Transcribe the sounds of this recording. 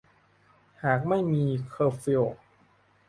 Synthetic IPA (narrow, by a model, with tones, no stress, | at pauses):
haː˨˩k̚ma˥˩jmiː˧kʰɤː˧fi˧˩